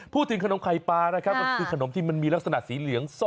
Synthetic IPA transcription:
pʰuː˥˩t̪ʰːɯ˩˦ka˧no˩˦mkʰa˨˩jpaː˧na˦˥kʰa˦˥p̚ma˧˩kʰɯː˧kʰa˧no˨˩˦mt̪ʰiː˥˩ma˧nmiː˧la˦˥k̚sa˧na˨˩ʔsiː˩˦lɯ˨˩˦əŋso˥˩

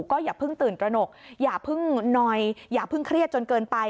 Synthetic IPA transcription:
kɔː˥˩jaː˨˩k̚pʰɯ˥˩ŋt̪ɯː˨˩nt̪ɾa˧no˨˩k̚jaː˨˩k̚pʰɯ˥˩ŋnɔː˧jjaː˨˩k̚pʰɯ˥˩ŋkʰɾi˥˩ət̪̚t͡ɕo˧nkɤː˧npa˧j

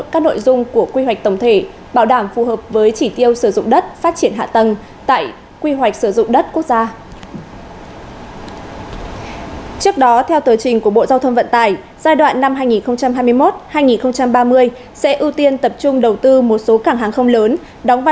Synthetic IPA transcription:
kaː˦˥k̚no̰˧˨jzʊ˧ŋ͡mku˧˩əkwi˧ɦwa˨˩k̚t̪ə˧˩wŋ͡mt̪ʰe˧˩ | ɓaː˧˩wɗaː˧˩mfu˨˩ɦəː˨˩p̚vəː˨˦jt͡ɕi˧˩t̪i˧əwsɨ˧˩zʊ̰˧˨ŋ͡mɗə˦˥t̚faː˦˥t̚t͡ɕi˧˩ənɦa̰ː˧˨t̪ə˨˩n | t̪a̰ː˧˨j | kwi˧ɦwa˨˩jk̟̚sɨ˧˩zʊ̰˧˨ŋ͡mɗə˦˥t̚ku˦˥ək̚zaː˧ | t͡ɕɨ˦˥ək̚ɗɔ˨˦t̪ʰɛ˧wt̪əː˨˦jt͡ɕï˨˩ŋ̟ku˧˩əɓo̰˧˨zaː˧wt̪ʰə˧ŋ͡mvə̰˧˨nt̪aː˨˩j | z̥aː˧jɗwa̰ː˧˨nːa˧mhɦaː˧jŋi˨˩nxə˧wŋ͡mt͡ɕa˧mɦaː˧jmɨ˧əjmo˦˥t̚haː˧jŋi˨˩nxə˧wŋ͡mt͡ɕa˧mɓaː˧mɨ˧əj | sɛ̰˧˥ʔɨ˧t̪i˧ənt̪ə˨˩p̚t͡ɕʊ˧ŋ͡mɗə˨˩wt̪ɨ˧mo˨˩t̚so˨˦kaː˧˩ŋɦaː˨˩ŋxə˧wŋ͡mləː˨˦n | ɗɔ˨˦wŋ͡mva˧˨

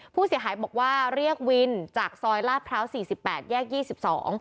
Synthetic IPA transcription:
pʰuː˥˩si˨˩˦əɦaː˩˦jbɔː˨˩k̚waː˥˩ɾi˥˩ək̚wi˧nt͡ɕaː˨˩k̚sɔː˧jlaː˥˩pʰɾa˦˥wsiː˨˩si˨˩pːɛː˨˩t̪̚jɛː˥˩k̚jiː˥˩si˨˩p̚sɔ̰ː˩˦ŋ

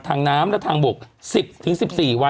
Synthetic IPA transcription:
t̪ʰaː˧ŋnaː˦˥mlɛ˦˥t̪ʰaː˧ŋbu˨˩k̚si˨˩p̚t̪ʰɯ˩˦ŋsi˨˩p̚siː˨˩wa˦

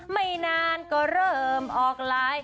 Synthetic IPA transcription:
ma˥˩jnaː˧nkɔː˧˩ɾɤː˥˩mʔɔː˨˩k̚laː˦˥j

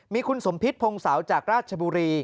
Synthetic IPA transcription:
miː˧kʰu˧nso˩˦mpʰi˦˥t̪̚pʰo˧ŋsa˩˦wt͡ɕaː˨˩k̚ɾaː˥˩t̪̚t͡ɕʰa˧buː˧ɾiː˧

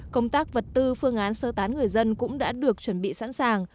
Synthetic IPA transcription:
kə˧wŋ͡mt̪aː˦˥k̚və˨˩t̚t̪ɨ˧fɨ˧əŋʔaː˨˦nsəː˧t̪aː˨˦nŋɨ˨˩əjzə˧nkʊ̰˧˥ŋ͡mɗa̰ː˧˥ɗɨ˨˩ək̚t͡ɕwə˧˩nɓḭ˧˨sa̰ː˧˥nsaː˨˩ŋ

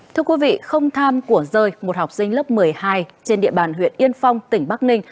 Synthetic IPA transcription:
t̪ʰɨ˧əkwi˨˦vḭ˧˨xə˧wŋ͡mt̪ʰaː˧mku˧˩əzəː˧˩jmo˨˩t̚ha˨˩wk͡p̚sï˧ŋ̟lə˦˥p̚mɨ˨˩əjhaː˧jt͡ɕe˧nɗḭ˧˨əɓaː˧˨˩nɦwḭ˧˨ənʔi˧ənfa˧wŋ͡mt̪ï˧˩ŋ̟ɓaː˦˥k̚nï˧ŋ̟

